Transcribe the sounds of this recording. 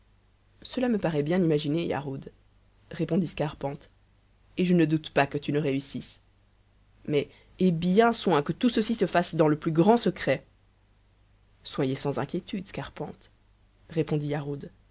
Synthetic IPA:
səlaməpaʁɛbjɛ̃nimaʒineja̰ʁud̪ | ʁepɔ̃d̪iskaʁpɑ̃t̪ | eʒənəd̪ut̪pakət̪ynəʁeysis | mɛː | bjɛ̃swɛ̃kət̪usəsisəfasd̪ɑ̃ləplyɡʁɑ̃səkχɛ | swajesɑ̃zɛ̰̃kʲjet̪yd̪skaʁpɑ̃t̪ | ʁepɔ̃d̪ijaʁud̪

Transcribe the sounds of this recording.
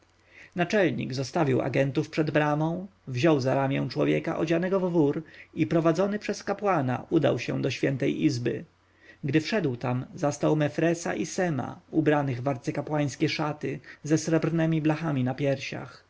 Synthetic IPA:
nat͡ʂɛlɲḭɡzɔst̪avʲiwa̰ɡɛnt̪ufpʂɛd̪bɾamɔ̃w̃vʑɔwzaɾamʲjɛw̃t͡ʂwɔvʲjɛka̰ʔɔd͡ʑanɛɡɔvvuɾipɾɔvad̪zɔnɘpʂɛskapwana̰ʔud̪a̰wɕɛ̰̃d̪ɔɕfʲjɛnt̪ɛjʔizbɘ̰ | ɡd̪ɘfʂɛd̪wt̪amzast̪awmɛfɾɛsa̰ʔisɛma̰ubɾanɘɣvaɾt̪sɘkapwaj̃skʲɛʂat̪ɘzɛsɾɛbɾnɛmʲiblaxamʲinapʲjɛɾɕa̰x

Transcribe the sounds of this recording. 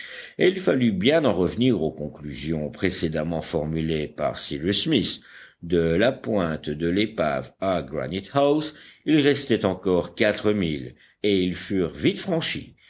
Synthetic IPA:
eilfalybjɛ̃nɑ̃ʁəvniʁokɔ̃klyzjɔ̃pχesed̪amɑ̃fɔʁmylepa̰ʁsilysmisd̪əlapwɛ̃t̪d̪əlepa̰vaɡʁa̰nit̪hawsilʁɛst̪ɛt̪ɑ̃kɔʁkat̪χəmil | eilfyʁvit̪fχɑ̃ʃḭ

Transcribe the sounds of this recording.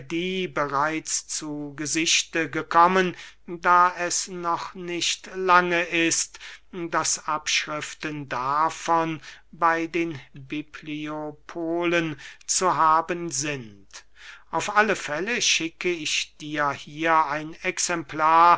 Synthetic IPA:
diːbəʁaɪt͡st͡suːɡəzɪʃtəɡəkʰɔməndaːɛsnɔχnɪçtlaŋəʔɪstdasʔapʃʁ̥ɪftəndafɔnbaɪdeːnbipliopʰoːlənt͡suɦaːbənzɪnt | ʔaʊfʔaləfɛləʃɪkəɪçd̥iːɐhiːɐaɪnɛksɛmplaːɐ

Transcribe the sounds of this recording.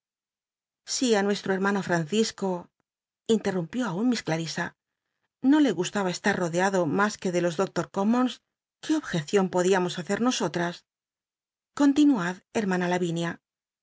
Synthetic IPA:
sianwe̞st̪ɾo̞e̞ɾmano̞fɾanθisko̞ | int̪e̞rumpjo̞aunmisklaɾisa | no̞le̞ɣust̪aβae̞st̪aɾro̞ðeaðo̞maske̞ðe̞lo̞zðo̞k̚t̪oɾko̞mons | ke̞o̞βxe̞θjo̞mpo̞ðiamo̞saθe̞ɾno̞so̞t̪ɾas | ko̞nt̪inuaðe̞ɾmãnalaβinja

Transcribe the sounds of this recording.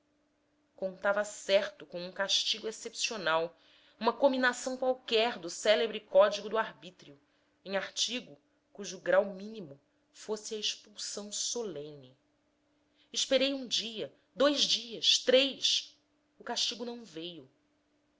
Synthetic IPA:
kõnt̪avɐsɛɾt̪ʊkõũkaʃt͡ʃiɡʊesepsionaw | ũmɐkõminasɐ̃w̃kwawkɛɾd̪ʊsɛlebɾɪkɔd͡ʒiɡʊd̪ʊaɾbit̪ɾiʊ | ẽj̃aɾt͡ʃiɡʊ | kuʒʊɡɾawmĩnimʊ | fosɪɐeʃpuwsɐ̃w̃solẽnɪ | iʃpeɾejũd͡ʒiɐ | d̪ojʒd͡ʒiɐʃt̪ɾejs | ʊkaʃt͡ʃiɡʊnɐ̃w̃vejʊ

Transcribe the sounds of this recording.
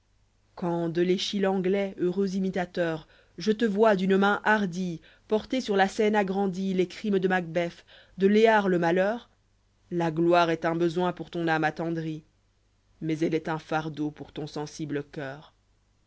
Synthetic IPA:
kɑ̃d̪əleʃilɑ̃ɡlɛøʁøzimit̪at̪œʁ | ʒət̪əvwad̪ynmɛ̃ʔaʁd̪i | pɔʁt̪esyʁlasɛnaɡʁɑ̃d̪ilekχimd̪əmak̚bɛf | d̪əleaʁləmalœːʁ | laɡlwaʁɛt̪ɛ̃bəzwɛ̃puʁt̪ɔ̃namat̪ɑ̃d̪ʁi | mɛzɛlɛt̪ɛ̃faʁd̪opuʁt̪ɔ̃sɑ̃sibləkʲœːʁ

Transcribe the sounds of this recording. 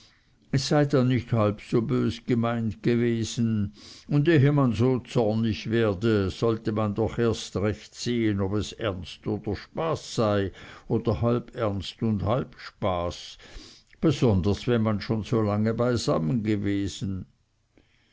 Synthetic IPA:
ɛsːaɪdanɪçthalpsoːbøːsɡ̥əmaɪntɡ̥əveːz̥n̩ʊndeːɦəmanzoːt͡sɔɐnɪçvɛːɐdəz̥ɔltəmandɔχeːɐstʁɛçtseːənɔbɛsɛɐnstoːd̥əʃpaːsːaɪʔoːd̥ɐhalbɛɐnstʊndhalbʃpaːs | b̥ezɔndəsvɛnmanʃoːnz̥oːlaŋəbaɪzamənɡəveːz̥n̩

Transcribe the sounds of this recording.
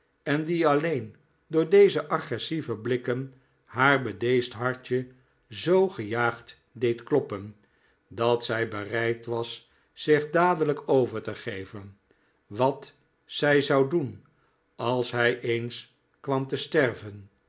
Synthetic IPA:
ɛndiɑlejn | dʊːɹdejzəʔɑχrɛsivəblɪkən | haːɹbədejstɦɑɹtə | zowχəjaːχt | dejtklɔpən | dɑtsɛjbərɛjtʋɑsː | ɪχdaːdələkowvəɹtəχejvən | ʋɑt | sɛjzɑwdun | ɑlˠsɦɛjʔejns | kʋɑmtəstɛrvən

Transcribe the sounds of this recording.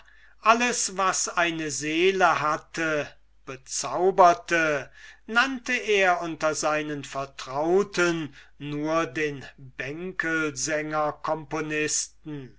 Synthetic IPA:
ʔaləsvasaɪnəzeːləɦatʰə | b̥ət͡saʊbɐtənantəeːɐʊntɐzaɪnənfɛɐtʁ̥aʊtənːuːɐdeːnbɛŋkʰəlzɛŋɐkʰɔmponɪstn̩

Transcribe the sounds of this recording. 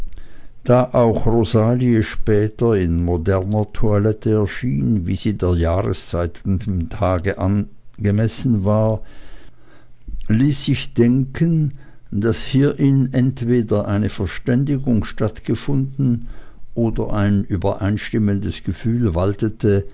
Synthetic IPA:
d̥aːʔaʊxʁozaːliəʃpɛːtɐɪnmodɛɐnɐtʰualɛtʰəɛɐʃiːnvḭːziːdeːɐjaːʁə̰st͡saɪtnt͡sʊmmtʰaːɡəʔan | ɡ̥əmɛsn̩vaːɐ | liːsɪçd̥ɛŋkən | d̥ashiːɐʔɪnʔɛntv̥eːdɐʔaɪnəfɛɐʃtɛndɪɡʊŋʃtatɡ̥əfʊndn̩ʔoːdɐʔaɪnyːbɐʔaɪnʃtɪməndəsɡ̥əfyːlvaltətʰə

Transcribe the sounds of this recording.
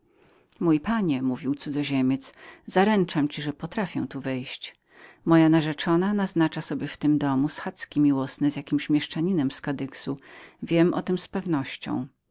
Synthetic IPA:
mujpaɲɛmuvʲiwt̪sud̪zɔʑemʲjɛt̪szaɾɛnt͡ʂamt͡ɕiʐɛpɔt̪ɾafʲjɛw̃t̪uvɛjɕt͡ɕ | mɔjanaʐɛt͡ʂɔnanaznat͡ʂasɔbʲɛft̪ɘmd̪ɔmusxat̪skʲimʲiwɔsnɛzjakʲimɕmʲjɛʂt͡ʂaɲinɛmskad̪ɘksuvʲjɛmɔ̰t̪ɘmspɛvnɔɕt͡ɕɔ̰̃w̃

